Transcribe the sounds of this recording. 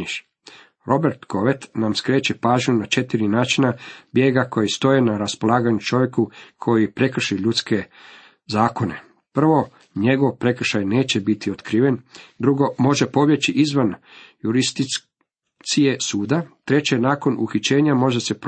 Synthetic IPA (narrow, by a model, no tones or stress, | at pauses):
iʃ | ɾʔo̞be̞ɾt̪ko̞ʋet̪namskɾe̞ːt͡ɕepaːʒɲunat͡ʃe̞t̪iɾinaːt͡ʃinabjeːɡako̞jist̪o̞jenaɾaspo̞lˠaːɡaɲut͡ʃo̞ʋje̞kukʰo̞jipɾe̞kr̩ʃiʎut̪ske̞ | zaːko̞ne̞̰ | pr̩ʋo̞ | ɲe̞ɡo̞ʋpɾe̞kr̩ʃajne̞ːt͡ɕe̞bit̪ʰiot̪kɾiːʋe̞nd̪ɾuɡo̞mo̞ʒe̞po̞ʋje̞t͡ɕiʔizʋanjuɾist̪i | t̪sie̞suːd̪at̪ɾe̞t͡ɕe̞naːko̞nuxit͡ɕe̞ːɲamo̞ʒese̞p